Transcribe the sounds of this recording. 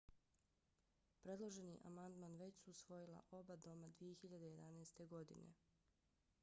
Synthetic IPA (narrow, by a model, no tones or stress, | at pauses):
pɾed̪lˠoʒeniʔamand̪manʋe̞t͡ɕsuusʋo̞jilˠa̰ʔo̞bad̪o̞mad̪ʋijexiʎad̪e̞je̞d̪anaːst̪e̞ɡo̞d̪ḭne̞̰